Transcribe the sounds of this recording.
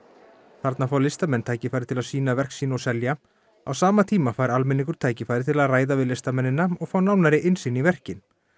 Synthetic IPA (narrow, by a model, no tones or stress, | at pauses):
θaɾt̪nafaːwlɪst̪amɛnːt̪ʰaːjcɪfajɾɪt̪ʰɪlaðsiːnavɛr̥ksiːnɔsɛlja | a̰wsaːmat̪ʰiːmafajɾalmɪnːiŋkʏɾ̥t̪ʰaːjcɪfaːjɾɪt̪ʰɪlaðraːjðavɪðlɪst̪amɛnːɪnːaɔɣfawnaːwnaɾɪʔɪnsiːnivɛr̥cɪn